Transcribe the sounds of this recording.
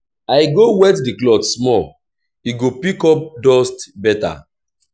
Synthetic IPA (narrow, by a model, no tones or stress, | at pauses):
ajɡowɛtdiklɔtsmɔl | iɡopikɔp̚dɔstbɛta̰